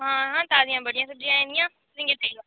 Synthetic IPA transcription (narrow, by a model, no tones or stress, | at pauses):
ɦãɦãːt̪aːzijãbɐɽijãːsɐb̚d͡ʒijãẽnd̪ijã | zɪ̃ŋɡet̪ʰɐilã